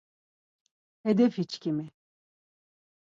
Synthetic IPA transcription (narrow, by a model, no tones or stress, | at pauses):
ɛd̪ɛfhit͡ʃcʰʲimi